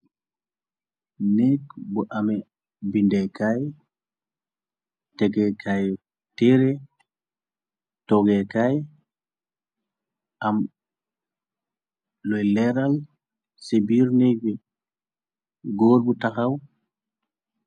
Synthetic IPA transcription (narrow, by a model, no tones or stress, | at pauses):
nekbɔʔamɛ | bindɛkaj | tɛɡɛkʰaj | tɛɾɛ | tɔɡɛkaj | ʔam | lɔjlɛɾal | sebiɾnebɛ | ɡoːɾbutaxaw